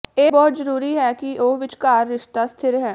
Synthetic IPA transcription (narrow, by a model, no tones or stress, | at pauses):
eːbɔːt̪zəɾuːɾiɦɛːkiʔoːʋɪt͡ʃkaːɾːɪʃt̪ast̪ʰɪɾɦɛ̃ː